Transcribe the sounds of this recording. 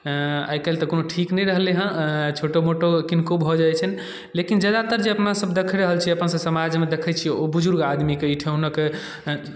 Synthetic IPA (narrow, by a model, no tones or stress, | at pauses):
a̰jkelt̪əkonoʈʰiknɛjɾəɦleɦə̃t͡ʃʰoʈomoʈokinkobʱɔd͡ʒaɛt͡ʃʰən | lekind͡ʒəd̪at̪əɾd͡ʒeəpnasəbd̪ekʰəɾəɦəlt͡ʃʰiəpnsəsəmad͡ʒmed̪ekʰət͡ʃʰiobud͡ʒuɾɡad̪mikeiʈʰeunəke